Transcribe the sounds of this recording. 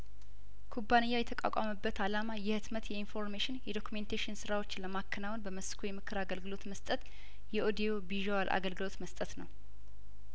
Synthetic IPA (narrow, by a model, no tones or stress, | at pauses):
kʰubːanɨjːajɛt̪ʰəkʼa̰kʷʼaməbːət̪alamajɛhɨt̪mət̪jɛinfo̞ɾmeʃɪnjɛd̪o̞kʰument̪ʰaʃɪnsɨɾawo̞t͡ʃːləmakʰːənawʊnbəməskʰujɛmɨkʰːɨɾaɡəlɡɨlo̞t̪məst̪ʼət̪ | jɛʔod̪ijobiʒowalʔa̰ɡəlɡɨlo̞t̪məst̪ʼət̪nəw